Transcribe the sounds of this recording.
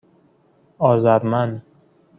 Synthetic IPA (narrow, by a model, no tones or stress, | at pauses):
ɒːzæɾmæn